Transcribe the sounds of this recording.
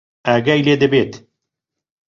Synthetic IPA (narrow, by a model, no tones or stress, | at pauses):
æːɡæjleːd̪əbeːt̪